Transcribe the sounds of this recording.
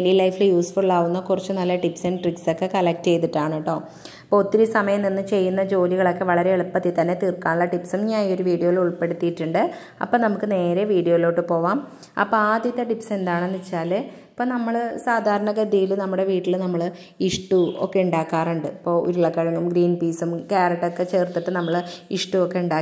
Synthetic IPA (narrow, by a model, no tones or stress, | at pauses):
elilɐjflɨjuːsfurɭaːʋunːɐkurɐt͡ɕːunɐlːɐʈipsenʈrikso̞kːekɐlɐk̚ʈt͡ɕe̞jt̪iʈːaːɳiʈːo̞ː | ipːoːt̪ːiɾusɐmɐjɐmninːɨt͡ɕe̞jːunːɐd͡ʑo̞ːliɣɐɭo̞kːe̞ʋɐɭɐɾe̞eɭupːɐt̪ːit̪ɐnːe̞t̪irkːaːɳuɭːɐʈipsumɲaːjo̞ɾuʋiːɽijo̞ːiluɭpe̞ɽut̪ːijiʈːuɳɖɨ | ɐ̰pːoːnɐmukːɨne̞ːɾe̞ʋiːɽijo̞ːilo̞ːʈːɨpo̞ːʋaːm | ɐ̰pːoaːd̪jit̪ːɐʈipse̞nd̪aːɳenːit͡ɕːaːlɨ | ipːoːnɐmːɐɭsaːd̪ʱaːɾɐɳɐɡɐd̪ijilnɐmːuɽe̞ʋiːʈːilnɐmːɐɭ | iʂʈuo̰kːe̞uɳɖaːkːaːruɳɖɨipːo̞ːo̰ɾuɭːɐkːɐɻɐŋːumɡɾiːnpiːsumkaːɾɐʈːokːe̞t͡ɕe̞ːrt̪ːiʈːɨnɐmːɐɭiʂʈuokːe̞uɳɖaː